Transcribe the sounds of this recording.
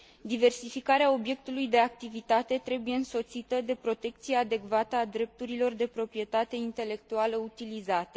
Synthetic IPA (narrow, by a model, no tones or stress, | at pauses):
d̪ive̞rsifikaɾeao̞bje̞k̚t̪ulujd̪e̞ak̚t̪ivit̪at̪e̞t̪ɾe̞buje̞ɨnso̞t̪sit̪əd̪e̞pɾo̞t̪e̞k̚t̪sijead̪e̞kvat̪əad̪ɾe̞p̚t̪uɾilo̞rd̪e̞pɾo̞pɾije̞t̪at̪e̞int̪e̞le̞kt̪ualəut̪ilizat̪e